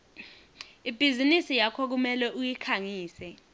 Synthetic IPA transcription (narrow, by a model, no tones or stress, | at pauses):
ib̥ʱizinisijakʰɔk̬umɛlɛʔujikʰaŋiːsɛ